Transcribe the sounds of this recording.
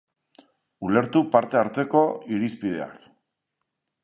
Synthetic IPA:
ule̞ɾt̪upaɾt̪e̞aɾt͡se̞ko̞iɾispið̞e̞a̰k

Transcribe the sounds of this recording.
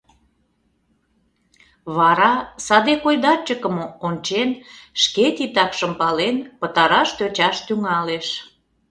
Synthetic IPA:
βɑɾɑsɑd̪ekojd̪ɑt͡ɕəkəmoonʲt͡ɕenʃket̪it̪ɑkʃəmpɑlenpət̪ɑɾɑʃt̪øt͡ɕɑʃt̪yŋɑleʃ

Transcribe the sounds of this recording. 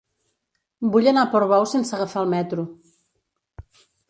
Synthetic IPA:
buʎənapoɾβɔwsensəɣəfaəlˠmɛt̪ɾu

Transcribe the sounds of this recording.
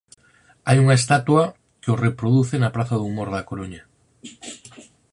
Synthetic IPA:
ajuŋaest̪at̪wɐ | keorepɾoðuθenapɾaθaðuːmoɾðakoɾoɲa

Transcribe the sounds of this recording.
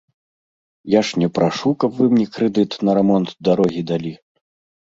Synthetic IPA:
jaʂnʲɛpɾʔaʂukɐpvɨmnʲɛkɾɛd̪ɨt̪nɐɾɛmɔnt̪d̪aɾɔɣʲid̪alʲi

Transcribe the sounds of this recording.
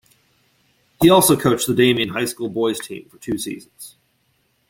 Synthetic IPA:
hiɔlˠsoʊkʰoʊt͡ʃðədẽɪ̃mĩnɦaɪskulˠbɔɪz̥tʰḭ̃ɱfə˞tʰʉsḭzn̩z̥

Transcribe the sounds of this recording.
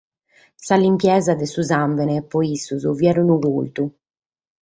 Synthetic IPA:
salːimpjɛzad̪ɛsuzaɱvɛnɛpɔisːuzuviɛɾunuɣult̪u

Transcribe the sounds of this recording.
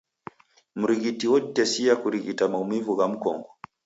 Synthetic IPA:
m̩ɾiɣitiwɔtɛsiakuɾiɣitamaumivuɣam̩kɔ̰ŋɡɔ

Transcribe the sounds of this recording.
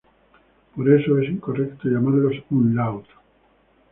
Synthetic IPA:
poɾesoesiŋkorekt̪oʝamaɾlosũnlawt̪o̥

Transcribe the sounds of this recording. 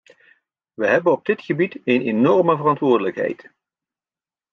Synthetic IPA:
ʋəɦɛbənɔb̚dɪtχəbitejnenɔrməvərɑntʋʊːɹdələkɦɛ̰jt

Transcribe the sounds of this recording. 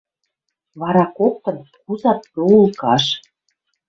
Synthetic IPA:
βɑɾɑkok̚t̪ɤ̆nkuzɑt̪̚poulˠkɑʃ

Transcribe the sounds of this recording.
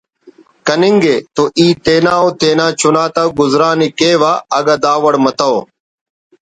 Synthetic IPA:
kənɪŋɡeːt̪oːʔiːt̪eːnaːoːt̪eːnãːt͡ʃʊnaːt̪aːɡʊzɾaːniːkeːʋaːəɡaːd̪aːʋəɽmət̪aoː

